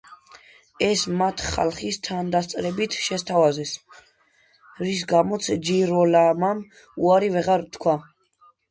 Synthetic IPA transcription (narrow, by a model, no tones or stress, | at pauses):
ɛsmat̪ʰχa̰lˠχist̪ʰand̪ast̪sʼɾɛbit̪ʰʃɛst̪ʰavazɛs | ɾis̬ɡamɔt̪sʰd͡ʒiɾɔlamam | uaɾivɛʁaɾt̪ʰkʰwa